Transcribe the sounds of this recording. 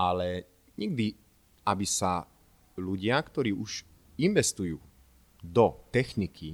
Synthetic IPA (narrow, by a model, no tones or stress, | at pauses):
ʔalɛ | ɲɛɡ̚d̪i | abisa | luɟɪakt̪ɔɾiːʔuʃ | inʋɛst̪ujuː | d̪ɔt̪ɛxnikʰi